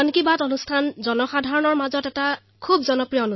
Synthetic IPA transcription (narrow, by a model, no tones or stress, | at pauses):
ankibatonustʰanzɔnɔxadʱaɹɔnɔɹmazɔtɛta | kʰubzɔnɔpɹijɔonu